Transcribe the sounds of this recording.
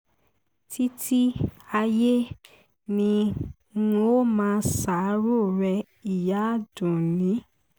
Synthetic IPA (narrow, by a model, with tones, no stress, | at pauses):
tʰi˦ti˦a˧je˦ | nĩ˧˦ | ũ˧o˦mãː˧˦˧sa˨˦ɾo˦˨ɾɛ˧ | i˨ja˨˦dũ˨nĩ˨˦